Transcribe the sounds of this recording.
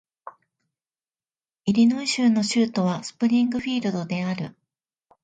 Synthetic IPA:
iɾʲinoĩɕɨːno̞ɕɨːt̪o̞βasɨ̥pɯ̟ɾʲĩŋɡɯ̟ɸʲiːɾɯ̟d̪o̞d̪e̞aɾɯ̟̰

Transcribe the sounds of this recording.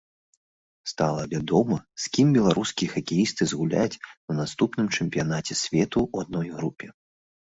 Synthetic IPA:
st̪alˠɐvʲad̪ɔmɐsʲkʲimbʲɛlˠaɾʔuskʲijɐxɐkʲɛjist̪ɨzɣulʲa̰jt͡sʲunast̪upnɨmt͡ʂɛmʲpʲijanat͡sʲɛsʲvʲɛt̪uːad̪̚nɔjɣɾupʲɛ

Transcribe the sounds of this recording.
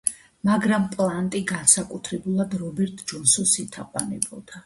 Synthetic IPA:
maɡɾampʼlˠant̪ʼiɡansakʼut̪ʰɾɛbulˠad̪ɾɔbɛɾt̪ʼʰd͡ʒɔnsɔsit̪ʰaqʼwanɛ̰bɔd̪̥a

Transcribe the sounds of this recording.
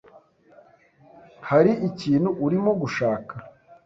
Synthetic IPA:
haɾiʔiciːnhuʔːɾimoɡuʃaːka

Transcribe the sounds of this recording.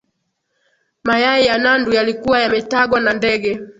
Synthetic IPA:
majaijanandujalikuwajamɛtaɡwanandɛɡɛ

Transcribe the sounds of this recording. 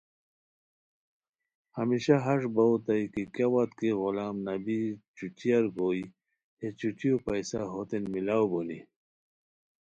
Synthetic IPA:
hɐmiɕaɦɐʐbɐwt̪ɐjkikjawɐt̪keɣulaːmnɐbit͡ɕut͡ɕiɐɾɡoːi | et͡ɕut͡ɕiopɐjsaɦot̪enmilaːwbuni

